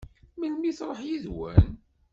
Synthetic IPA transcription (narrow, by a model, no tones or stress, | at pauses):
məlmiθɾˤəħjiðwæ̰n